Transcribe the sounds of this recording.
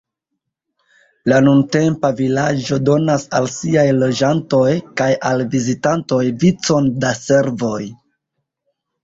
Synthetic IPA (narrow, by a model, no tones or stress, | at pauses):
lanunte̞mpavilad͡ʒo̞do̞nasalsiajlo̞d͡ʒanto̞jkajalvizitanto̞jvit͡so̞ndase̞ɾvo̞j